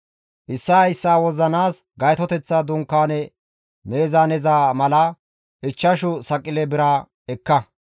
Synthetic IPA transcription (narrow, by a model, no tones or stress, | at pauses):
ʔɪsːɐɐjsːaːwɔzɐnaːsɡɐjt̪ɔt̪ɛt͡sːaːd̪ʊŋkːaːnɛ | me̞ːzaːnɛzaːmɐlɐ | ʔɪt͡ʃːɐʃʊsɐkʼːɪlɛbɪɾaː | ɛkːɐ